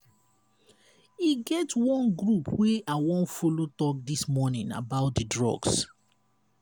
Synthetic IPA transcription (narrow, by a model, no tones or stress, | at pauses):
iɡɛtwɔ̃nɡɹupweawɔ̃nfolotɔk̚dismɔnĩna̰baʊt̚dədɹɔ̰ɡs